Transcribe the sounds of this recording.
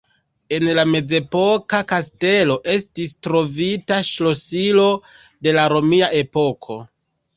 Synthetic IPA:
e̞nlame̞d͡ze̞po̞kakaste̞lo̞ʔe̞stistɾo̞vitaʃlo̞silo̞ | de̞laɾo̞miaʔe̞po̞kʰo̞

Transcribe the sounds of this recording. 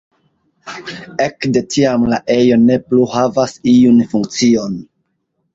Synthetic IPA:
ekde̞tʰiamlaʔe̞jo̞ne̞pluhavasiunfuŋk̚t͡sio̞n

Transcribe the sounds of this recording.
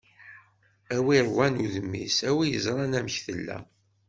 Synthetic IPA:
æwiɾˤwænuðəmːḭsæwijəzˤɾˤɑnæmçθəlːæ̰

